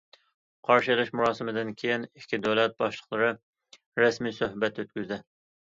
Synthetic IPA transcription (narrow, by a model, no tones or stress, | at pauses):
qʰɑɾʃɨlˠɪʃmuɾɑːsɨmɪd̪ɪnkʲʰejɪnɪkʲʰːid̪ølɛt̪̚bɑʃlˠəχlˠɨɾɨ | ɾɛsmijsøhbɛt̪øt̪̚kʲyzd̪ɪ